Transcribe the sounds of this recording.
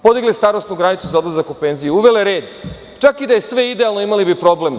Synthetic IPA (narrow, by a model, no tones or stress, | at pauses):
po̞d̪iɡlist̪aːɾost̪nuɡɾanit̪suzaod̪lˠazakupe̞nzijuuʋe̞leɾe̞ːd̪ | t͡ʃakid̪ajesʋe̞id̪ealˠno̞imalibipɾo̞ble̞m